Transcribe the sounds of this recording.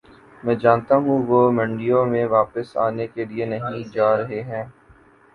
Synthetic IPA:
mɛ̃ːd͡ʒaːnt̪aɦũʋoːmɐ̃ɳɖijõmẽʋaːpəsa̰ːnekelienɐɦĩd͡ʒaːɾɐɦeɦɛ̃ː

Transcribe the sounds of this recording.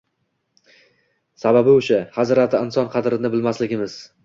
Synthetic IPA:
sababɪʊʃahazɾat̪ʰɪɪnsɒnqʰɑd̪ɾɪnɪbɪlmaslɪɡʲɪmɪz̥

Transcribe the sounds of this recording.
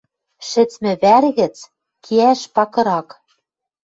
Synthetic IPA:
ʃɘ̆t͡smɘ̆βærɣɘ̆t͡s | kʰiæʃpɑkɤ̆ɾɑk

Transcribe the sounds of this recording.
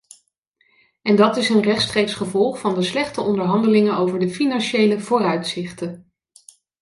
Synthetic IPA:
ɛndɑtɪsənrɛχtstreksχəvɔlˠχfɑndəslɛχtəʔɔndəɹɦɑndəlɪŋənowvəɹdəfinɑnʃejləv̥oːrœɥtsɪχtən

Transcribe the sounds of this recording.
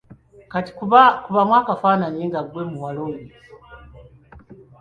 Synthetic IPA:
kati̥kβakuβamwaːkafanaɲiŋɡaɡwemuwalumɡi

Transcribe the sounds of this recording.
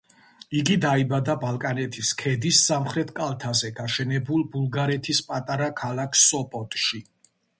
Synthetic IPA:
iɡid̪aibad̪abalˠkʼanɛt̪ʰiskʰɛd̪isːamχɾɛt̪ʰkʼalˠt̪ʰazɛɡaʃɛnɛbulˠbulˠɡaɾɛt̪ʰispʼat̪ʼaɾakʰalˠakʰsɔpʼɔt̪ʼʃi

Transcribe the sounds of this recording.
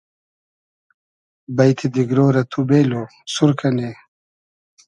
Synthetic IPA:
bajt̪ʰid̪iɡɾoːɾɐt̪ʰubeːlo | suɾkʰɐne

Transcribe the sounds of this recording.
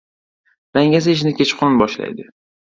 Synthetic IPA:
d̪̥aŋʲaz̬aɪʃ̬nɪkʲʰet͡ʃqʰonnbɒʃla̰jd̪ɪ

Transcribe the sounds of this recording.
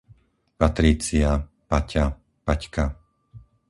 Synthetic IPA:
pat̪ɾiːt͡sia | paca | packa

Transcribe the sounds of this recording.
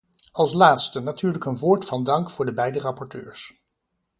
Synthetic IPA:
ɑlˠslaːtstənatyːɹləkənʋoːɹtfɑndɑŋkfʊːɹdəbɛjdərɑpɔɹtø̰ːɹs

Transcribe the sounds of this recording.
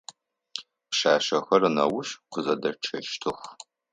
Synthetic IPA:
pʃaːʃɐxɐrnɐ̰wʊʃqʷʊzɐdɐʈ͡ʂʰɐʃtʰɨxʷ

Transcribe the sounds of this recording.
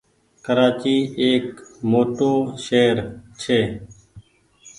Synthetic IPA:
kəɾaːt͡ʃiːeːkmoːʈõːʃeːɾt͡ʃʰeː

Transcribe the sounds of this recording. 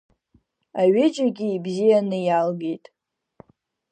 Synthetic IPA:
aɥɪd͡ʒaɡʲiːbzijanɨjalɡe̞jtʼ

